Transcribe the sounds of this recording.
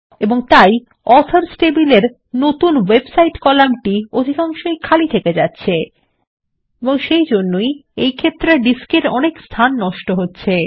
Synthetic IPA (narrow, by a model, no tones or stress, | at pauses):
eboŋt̪aj | ɔsʰaɾsʈebileɾ | not̪unwebsajʈkɔlamʈiod̪ʱikaŋʃojkʰalit̪ʰeked͡ʑatːɕʰe | eboŋʃejd͡ʑonːojejkʰet̪ːɾeɖiskeɾɔnekst̪ʰanːɔʃʈoɦotːɕʰe